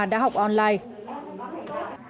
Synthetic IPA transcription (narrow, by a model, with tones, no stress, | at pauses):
ɗa̰ː˧˥ɦɔ˨˩wk͡p̚ʔɔ˧nlaː˧j